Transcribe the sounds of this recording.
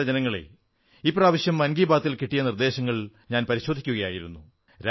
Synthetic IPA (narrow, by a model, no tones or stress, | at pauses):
ɐd͡ʑɐnɐŋːɐɭḛ | iːpraːʋɐɕjɐmːɐnɡiːbaːt̪ːilkiʈːijɐnird̪e̞ːɕɐŋːɐɭɲaːnpɐɾiɕo̞d̪ʱikʲːuɣɐjaːjiɾunːu | ɾ